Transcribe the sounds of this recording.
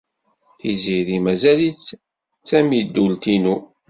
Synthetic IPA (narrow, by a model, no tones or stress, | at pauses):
θiziɾimæzælit͡sː | t͡sːæmid̪ːult̪inu